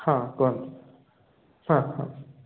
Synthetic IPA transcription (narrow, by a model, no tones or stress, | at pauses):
kʰaːkɔn | sakʰa